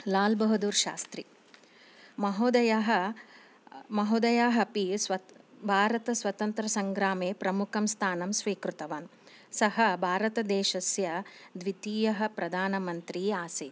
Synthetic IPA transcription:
laːlbɐɦud̪uːɾʃa̰ːst̪ɾi | mɐɦoːd̪ɐjɐɦɐ | mɐɦoːd̪ɐjaːɦɐpisʋɐbʱaːɾɐt̪ɐsʋɐt̪ɐnt̪ɾɐsɐŋɡɾaːmeːpɾɐmukʰɐmst̪ʰaːnɐmsʋiːkɾut̪ɐʋaːn | sɐɦɐbʱaːɾɐt̪ɐd̪eːʃɐsjɐd̪ʋit̪iːjɐɦɐ̆pɾɐd̪ʱaːnɐmɐnt̪ɾiːaːsi

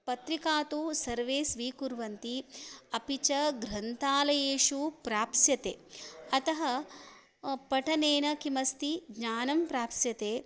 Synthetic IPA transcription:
pɐt̪ɾikaːt̪usɐɾʋeːsʋiːkuɾʋɐnt̪iɐpit͡ʃɐɡɾɐnt̪aːlɐjeːʃupɾaːpsjɐt̪ḛːɐt̪ɐɦɐ | pɐʈʰɐneːnɐkimɐst̪iɡɲaːnɐmpɾaːpsjɐt̪eː

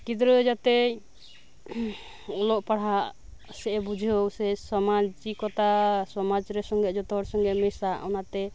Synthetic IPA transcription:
kid̪ɾɔd͡ʒat̪ɛ | ɔlɔʔpaɽ̤aʔsɛʔɛbud͡ʒʱiɦowsɛsɔmad͡ʒikɔt̪asɔmad͡ʒɾɛsɔŋɡɛd͡ʒɔt̪ɔɦɔɽsɔŋɡɛmɛsaʔɔnat̪ɛ

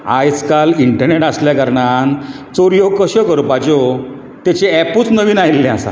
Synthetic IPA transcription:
a̰jskaliɳʈəɾneʈasljakaɾɳan | t͡soɾjokəɕəkəɾpad͡ʑo | t̪jɛt͡ɕeɛpuːt͡snəʋiːnajlːɛ̃asa̰

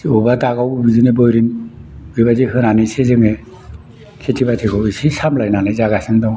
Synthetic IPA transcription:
ubataɡawbizunebɔjɾinbɯbazihɯnanɯsezɯŋe | kʰetʰibatʰikʰɯwisisamlajnanɯjzaɡasɯndɔŋ

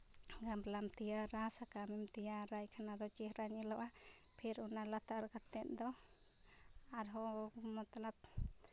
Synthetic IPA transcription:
ɡamblamt̪ijaɾasakamɛmt̪ijaɾajkʰanaɾɔt͡ʃihɾaɲilɔʔapʰiɾunalat̪aɾkat̪ːɛʔ̪̚d̪ɔ | aɾɦɔmɔt̪alap̚

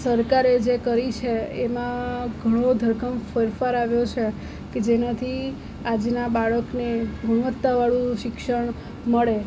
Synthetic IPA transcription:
səɾkaɾed͡ʒekəɾit͡ʃʰeemãɡʱəɽ̃od̪ʱəɾkʰəmfəɾfaɾaʋjot͡ʃʰe | ked͡ʒenat̪ʰi | ad͡ʒnabaɭəkneɡʱuɽ̃ʋət̪ːaʋaɭũʃɪkʃəɳ̃ | məɭe

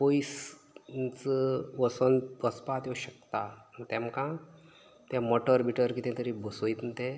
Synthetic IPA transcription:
poisnt͡səʋəsənʋəspat̪joɕək̚t̪at̪ɛ̃mkã | t̪jãmɔʈəɾbiʈəɾkit̪ɛ̃t̪əɾibəsojt̪nt̪e

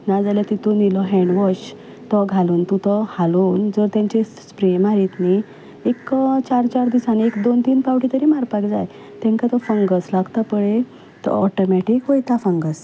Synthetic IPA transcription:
nad͡zaljat̪it̪unilɔɦɛɳɖʋɔɕ | t̪ɔɡʱaluːnt̪ut̪ɔhaluːnd͡zɔɾt̪jãɲt͡ɕe | spɾemaɾit̪ni | ekt͡ɕaɾt͡ɕaɾd̪isanekd̪ont̪iːnpawʈit̪əɾimaɾpakd͡zaj | t̪ɛ̃ŋkat̪ɔfəŋɡəslaɡt̪əpəɭe | t̪ɔ̰ɔʈɔmɛʈikʋojt̪afə̃ŋɡəs

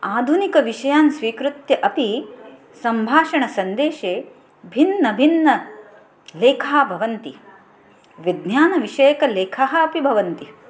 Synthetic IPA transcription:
aːd̪ʱunikɐʋiʂɐjaːnsʋiːkɾut̪jɐʔɐpi | sɐmbʱaːʂɐɳɐsɐnd̪eːʃeː | bʱinːɐbʱinːɐ | leːkʰaːbʱɐʋɐnt̪i | ʋid̪njaːnɐʋiʂɐjɐkɐleːkʰaɦɐɐpibʱɐʋɐnt̪i

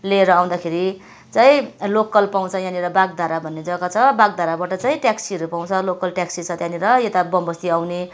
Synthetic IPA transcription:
leːɾʌaw̃d̪akʰeɾi | t͡saĩlokːʌlpaw̃t͡sʰʌjãniɾʌbaɡ̚d̪ʱaɾabʱʌnːed͡zʌɡat͡sʰʌbaɡ̚d̪ʱaɾabaʈʌt͡saĩʈjaksiɦʌɾupaw̃t͡sʰʌlokːʌlʈjaksit͡sʰʌt̪jãniɾʌjet̪abʌmbʌst̪iawne

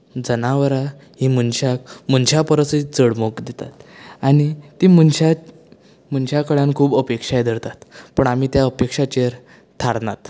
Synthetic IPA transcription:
d͡zənaʋəɾa | ɦiːmənɕakmənɕapəɾəsid͡zəɽmokd̪et̪a̰t̪añit̪imənɕa | mənɕakəɭãnkʰuːbəpekʂajd̪ʱəɾt̪at̪pəɳam̤iːt̪jaəpekʂat͡ɕeɾ | t̪ʰaɽna̰t̪

